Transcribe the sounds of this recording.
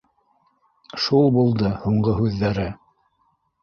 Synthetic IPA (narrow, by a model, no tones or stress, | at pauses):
ʃulˠbulˠd̪ɤhuɴɢɤɦʉðːæɾɘ